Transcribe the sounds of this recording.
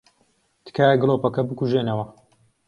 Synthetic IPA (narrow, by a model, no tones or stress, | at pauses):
t̪ɨ̥kʰaːjɐɡlˠoːpɐkɐbɨkuʒeːnɐwɐ